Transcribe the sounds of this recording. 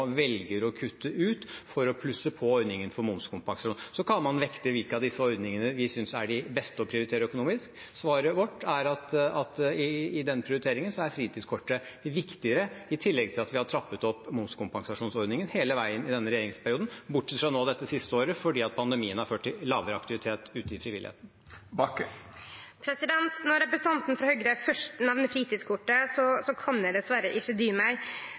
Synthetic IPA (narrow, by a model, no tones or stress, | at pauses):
ʋɛlɡəɾɔkʰʉt̪ʰːəʔʉːt̪fɔɾɔpʰlʉsːəpʰɔɔɾd̪nɪŋənfɔɾmʊnskʰʊmpɑŋsɑʂuːnsɔkʰɑnmɑnʋɛkt̪əʋɪlkəɑd̪ɪsːəɔɾd̪nɪŋənəʋɪsʏnsæɖɪbɛst̪əɔpʰɾɪʊɾɪt̪ʰeːɾəœkʊnuːmɪsk | sʋɑːɾəʋɔʈːæɾɑt̪ɑt̪ɪɪd̪ɛnːpʰɾɪʊɾɪt̪ʰeːɾɪŋənsɔæɾfɾiːt̪ʰid̪skʰɔʈːəʋɪkt̪ɪəɾəɪt̪ʰɪlːɛɡ̚t̪ʰɪlɑt̪ʋɪhɑʈ̪ʰɾɑpːət̪ɔpːmʊnskʰʊmpɑŋsɑʂuːnsɔɾd̪nɪŋənheːləʋæɪənɪd̪ɛnːəɾɛjeːɾɪŋspʰæɾɪuːd̪n̩bʊʈːsɛt̪fɾɑnoːd̪ɛt̪ːəsɪst̪əoːɾəfɔɖiːɑt̪̚pʰɑnd̪ɛmiːənhɑɾføːʈːɪllːɑːʋəɾəɑkt̪ɪʋɪt̪ʰeːt̪ʉːt̪əɪfɾɪʋɪlɪ̰ḛːt̪n̩ | bɑkː | pʰɾɛsɪd̪ɛnt̪nɔɾɛpɾəsən̩t̪ʰɑnt̪nfɾɑhœɡɾəfœʂʈənɛʋnəfɾiːt̪iːd̪skʰʊʈːəsɔsɔkʰɑnjæd̪ɛsʋɑːɾəʔɪɕːəd̪yːmæɪ